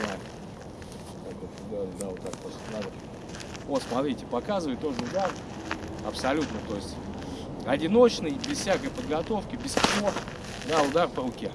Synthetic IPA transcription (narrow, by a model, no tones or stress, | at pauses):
na | k̪akot̪d̪ad̪avot̪ːak̚posʲlʲɪnad̪ə | osmɐt̪ɾʲitʲɪ̥pɐkazɨvəjt̪ːoʐɨʊd̪ar | ɐpsɐlʲut̪nət̪o̞ɪsʲtʲ | ɐdʲɪno̞t͡ɕnəjbʲɪsfsʲakəjpəd̪ɡɐt̪o̞fkʲɪbʲɪsko | d̪aʊd̪arpəɾʊkʲe